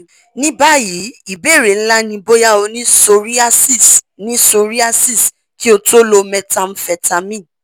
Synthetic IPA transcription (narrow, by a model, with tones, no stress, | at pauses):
nĩ˦ba˦ji˨˦i˦˨be˦˨ɾe˨n̩˦la˦nĩ˧bo˦ja˦o˧nĩ˦so˧ɾi˦a˦si˦˨s | nĩ˦so˧ɾi˦a˦si˦˨s | ki˦o˧to˦lo˧mɛ̃˧tã˧m̩˦fɛ˧ta˧mĩ˦˨